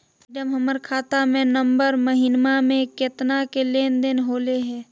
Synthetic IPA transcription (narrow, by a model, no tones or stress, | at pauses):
ɖəmɦəməɾkʰaːt̪amẽnə̃mbəɾməɦɪnmamẽkeːt̪nakeleːnd̪ɪnɦoːleɦɛː